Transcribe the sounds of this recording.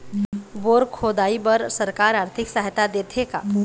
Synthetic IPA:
ʋoːɾkʰoːd̪aːibəɾsəɾkaːɾaːɾt̪ʰɪksaɦjt̪ad̪eːt̪ʰeka̰

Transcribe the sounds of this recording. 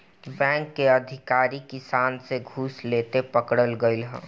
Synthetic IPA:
bɛ̃ːŋkːeəd̪ʱɪkaːɾikisaːnseɡʱuslet̪epəkɽəlɡəɪlɦə̃

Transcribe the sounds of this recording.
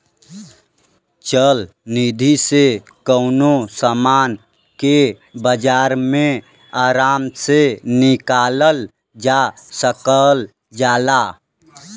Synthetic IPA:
t͡ʃəl | nid̪ʱise | kəʊnosəmaːn | ke | bəd͡ʒaːɾmẽ | aːɾaːmsenɪkaːləl | d͡ʒasəkəl | d͡ʒaːla

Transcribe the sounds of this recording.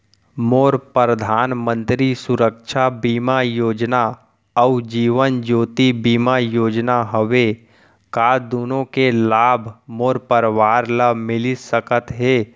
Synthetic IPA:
moːɾpɾəd̪ʱaːnmə̃nt̪ɾisʊɾəkʃʰabiːmajoːd͡ʒna | ɔud͡ʒiːʋənd͡ʒoːt̪ibiːmajoːd͡ʒnaɦəʋe | kaːd̪oːnõkelaːbʱmoːɾpəɾʋaːɾlamɪlisəkət̪ɦeː

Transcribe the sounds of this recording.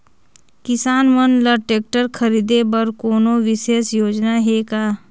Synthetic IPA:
kɪsaːnmənləɾʈeːk̚ʈəɾkʰəɾiːd̪ebəɾkoːnoʋɪʃeːsjoːd͡ʒnaɦeːkaː

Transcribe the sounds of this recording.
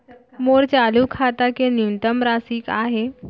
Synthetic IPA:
moɾt͡salukʰat̪akenint̪əmɾasiːkaɦe

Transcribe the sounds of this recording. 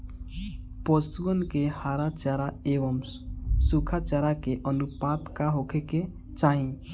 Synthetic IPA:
pɔsuɡənkehaːɾat͡ʃaɾaeːʋəms | sukʰat͡ʃaɾakeʔənupaːt̪kaɦokʰeke | t͡ʃaːɦĩ

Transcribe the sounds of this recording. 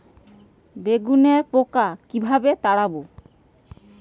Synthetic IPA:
beɡuneɾpokakibʱabet̪aɽabo

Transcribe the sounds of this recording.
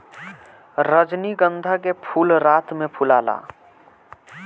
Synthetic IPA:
ɾəd͡ʒniɡənd̪ʱak̬epʰulɾat̪mepʰulaːla̰

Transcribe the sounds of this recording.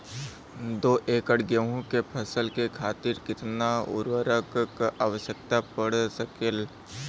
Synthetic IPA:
d̪oːʔeːkəɽɡəɦõkepʰɐsəlkekʰaːt̪ɪɾkɪt̪naʊ̰ɾwəɾəkkaːʋəʃjək̚t̪apəɽsəkel

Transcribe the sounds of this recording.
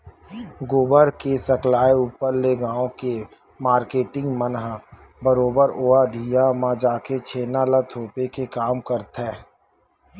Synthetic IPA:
ɡoːbəɾkesəklaːeuːpəɾleɡãːõke | maːɾkeːʈɪ̃ŋɡmənɦ | bəɾoːbəɾoːad̪ʱijamãd͡ʒaːket͡ʃʰeːnalət̪ʰoːpekekaːmkəɾt̪ɦɛː

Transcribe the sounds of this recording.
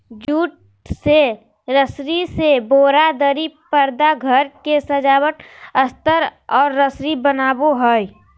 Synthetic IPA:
d͡ʒuːʈ | se | ɾəsɾiseboːɾad̪əɾipəɾd̪aɡʱəɾkesəd͡ʒaːwəʈəst̪əɾɔːɾːəsɾibənaːboɦəj

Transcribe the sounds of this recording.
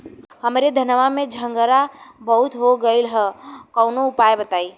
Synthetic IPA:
ɦɐmɾed̪ʱɐnʋamẽd͡ʒʱə̃ŋɡəɾabɐɦʊt̪ɦoɡəilɦəkɔʊnoʊpaːebɐt̪aːi

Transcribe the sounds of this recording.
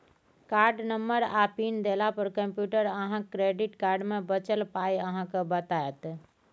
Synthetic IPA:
kaɾɖnəmbəɾapind̪elapəɾkəmpjuʈəɾəɦãkɾeɖiʈkaɾɖmebət͡ʃəlpajəɦãkebət̪aet̪

